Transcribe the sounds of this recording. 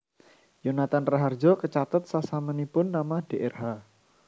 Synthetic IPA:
jonat̪anraɦard͡ʒɔkət͡ʃat̪ət̪̚sasamənipʊnːamad̥eʔerɦa

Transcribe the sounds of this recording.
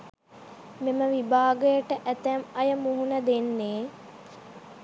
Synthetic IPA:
meməʋibaːɡəjəʈəʔæt̪æmɐjəmuɦunəd̪enːeː

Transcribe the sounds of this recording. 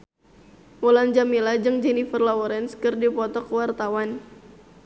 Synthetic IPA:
muland͡ʒamilad͡ʒɨŋd͡ʒɛnifərlɔɔɾɛnskɨrdipɔt̪ɔkwart̪awan

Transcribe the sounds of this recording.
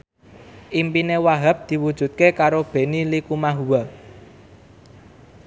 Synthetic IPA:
ʔimpinewaɦab̚d̪̥i̤wud̥ʒ̥ṳt̪̚kekaɾob̥e̤nilikumaɦuwa

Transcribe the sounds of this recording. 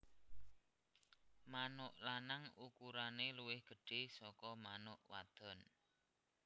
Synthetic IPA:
manʊʔlanaŋukuɾaneluwɪhɡ̥ə̤ɖ̥e̤sɔkɔmanʊʔwa̰d̪̥ɔ̤n

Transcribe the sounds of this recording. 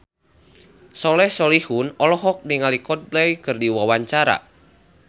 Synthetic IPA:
sɔlɛhsɔlihunɔlɔɦɔk̚niŋalikɔt̪̚blɛjkɨrdiwawaɲt͡ʃaɾa̰

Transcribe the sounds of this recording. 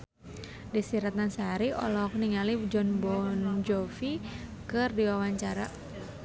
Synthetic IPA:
disiɾat̪ansaɾiɔ̰lɔɦɔk̚niŋalid͡ʒɔnbɔnd͡ʒɔfikɨrdiwawaɲt͡ʃaɾa

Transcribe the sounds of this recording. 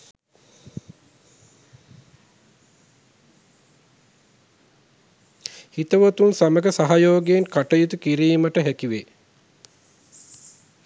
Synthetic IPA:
hit̪əʋət̪unsaməɡəsaɦajoːɡeenkaʈəjut̪ukiɾiːməʈəɦɛkiʋe

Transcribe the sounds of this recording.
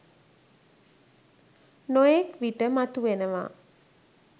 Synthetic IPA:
nojekʋiʈəmat̪uʋenəʋa̰

